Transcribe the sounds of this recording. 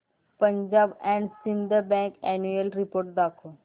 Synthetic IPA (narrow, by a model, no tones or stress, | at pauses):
pə̃ɲd͡ʑaːbɛ̃ːɳɖsĩnd̪əbɛ̃ŋkɛnjuelɾipoːɾʈ̚d̪aːkʰo